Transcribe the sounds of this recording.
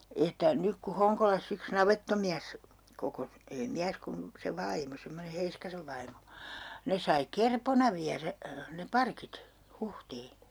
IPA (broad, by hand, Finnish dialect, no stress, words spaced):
etːæ nyk ku hoŋkolɑsː yks nɑʋetːomiæs kokos ei miæs kum se ʋɑimo semːone heiskɑseʋ ʋɑimo ne sɑi kerponɑ ʋiæræ ne pɑrkit huhtiː